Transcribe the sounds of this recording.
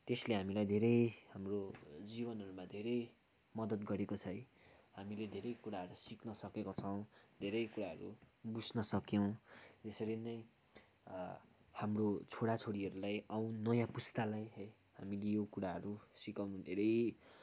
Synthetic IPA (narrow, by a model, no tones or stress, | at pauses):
t̪esleɦamilajd̪ʱeɾʌjhamrod͡zibʌnɦʌɾumad̪ʱeɾʌj | mʌd̪ʌt̪ɡʌɾekot͡sʰʌj | hamiled̪ʱeɾʌjkuɾaɦʌɾusiknʌsʌkekot͡sʰʌw̃ | d̪ʱeɾʌjkuɾaɦʌɾu | bud͡znʌsʌkjʌw̃d͡zesʌɾinʌj | hamrot͡sʰoɽat͡sʰoɽiɦʌɾulajaw̃nʌjãpust̪alajɦʌj | hamilejokuɽaɦʌɾusikawnud̪ʱeɾʌj